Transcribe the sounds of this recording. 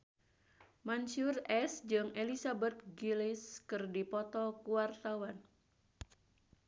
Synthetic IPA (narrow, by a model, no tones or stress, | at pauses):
mant͡ʃʊrɛsd͡ʒɨŋelisabɛt̪̚ɡilɪskɨrdipɔt̪ɔkuwart̪awan